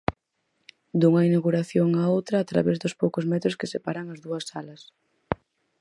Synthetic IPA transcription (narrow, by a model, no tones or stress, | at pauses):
d̪uŋɐinaɣuɾaθjoŋaowt̪ɾɐːt̪ɾa̰βɛzd̪ʊspowkʊzmɛt̪ɾʊskɪsepaɾɐŋɐzðuɐsːalɐs